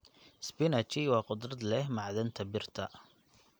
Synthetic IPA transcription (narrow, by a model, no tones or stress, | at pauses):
sbɪnɐt͡ʃɪwɑːqʊd̪rɐd̪lɛɦmɑʕðɐnt̪ʰɐbɪrt̪ʰɐ